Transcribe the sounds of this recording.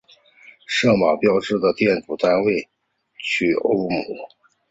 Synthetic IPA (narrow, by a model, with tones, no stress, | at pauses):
ʂɤ˥˩ŋma˨˩pjɑ˥ʊʈ͡ʂɻ̩˥˩d̪ə˩t̪jɛ˥˩nʈ͡ʂu˨˩t̪a˥nwe˥˩ɪ | t͡ɕʰy˥˩ʔo̰˥ʊmu˨˩˦